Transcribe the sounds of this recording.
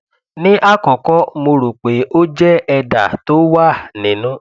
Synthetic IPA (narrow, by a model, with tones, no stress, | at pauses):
nĩ˦ʔa˦˨kɔ̃˨kɔ˨˦mo˧ɾu˨k͡pe˨˦o˦d͡ʒɛ˦ɛ˧da̰˨to˦wa˦˨nĩ˨˦nũ˦